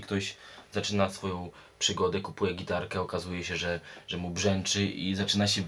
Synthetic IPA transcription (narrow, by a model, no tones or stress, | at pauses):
kt̪ɔʑzat͡ʂɘnasfɔjɔ̃w̃ | pʂɘɡɔd̪ɛkupujɛɡʲit̪aɾkɛɔkazujɛɕɛʐɛʐɛmubʐɛnt͡ʂɘʔizat͡ʂɘnaɕɛ